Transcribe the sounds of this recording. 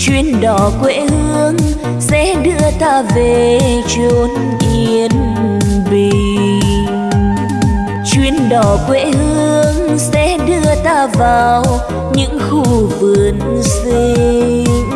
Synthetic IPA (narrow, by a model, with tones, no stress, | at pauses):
t͡ɕwi˧˩ənɗɔ˨˩kwḛ˧˥hɨ˧əŋ | sɛ̰˧˥ɗɨ˧ət̪aː˧ve˨˩t͡ɕo˧˦n | ʔi˧ən˨˩ | ɓi˧˨ | t͡ɕwi˧ənɗɔ˨˩kwḛ˧˥hɨ˧əŋsɛ̰˧˥ɗɨ˧ət̪aː˧vaː˨˩w | ɲɨ̰˧˥ŋxu˧vɨ˨˩ən | si˧˦